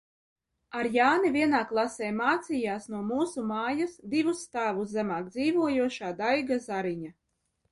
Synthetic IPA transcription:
aɾjaːnivʲiɛnaːklˠasɛːjmaːt̪sijaːsnuɔmuːsumaːjasd̪ivusːt̪aːvuszæmaːk̚d̪ziːvuɔjuɔʃaːd̪ajɡazaɾiɲa

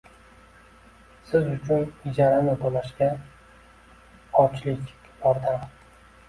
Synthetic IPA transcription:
sɪzʊt͡ʃʰʊnɪd͡ʒaɾanɪbolaʃɡʲa | ɒt͡ʃʰlɪkʲ | bɒɾd̪am

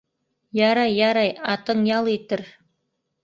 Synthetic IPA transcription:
jɑɾɑjːɑɾɑjɑt̪ɤŋjɑlˠet̪ɘ̆ɾ

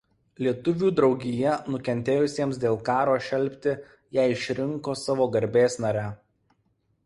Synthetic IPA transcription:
lʲiɛt̪ʊʋʲuːd̪ɾɒʊɡʲɪjɛnʊkʲɛnʲt̪ʲeːjʊsʲiɛmsd̪ʲeːlˠkɑːɾoːʃʲɛlʲˑpʲt̪ʲɪ | jæɪɪʃʲɾʲɪŋkoːsɑʋoːɡɐɾʲbʲeːsnɐɾʲæ

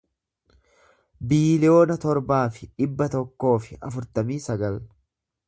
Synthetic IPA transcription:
biːlɪjo̞ːnɐt̪ɔɾbaːfɪᶑɪbːɐt̪ɔkːo̞ːfɪɐfʊɾt̪ɐmiːsɐɡɐl

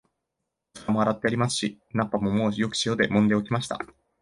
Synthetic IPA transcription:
amo̞aɾat̪ːe̞aɾʲimasɨ̥ɕi | nãpːamo̞mo̞ːjo̞kɯ̟̥ɕijo̞d̪e̞mõ̞nd̪e̞o̞kʲimaɕi̥t̪a̰

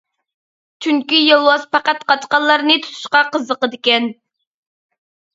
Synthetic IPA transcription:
t͡ʃʰyŋkʲijelˠwɑzpɑqæt̪qʰɑt̪qɑnlˠɑɾnɨt̪ʰu̥t̪ʰu̥ʃqɑqəzːəqəd̪ɪkʲɛn

